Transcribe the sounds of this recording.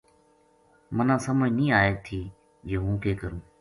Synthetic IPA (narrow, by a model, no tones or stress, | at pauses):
mənãːsəmoĩnĩːaːeːt̪ʰiː | joːɦũːkʰeːkəɾũː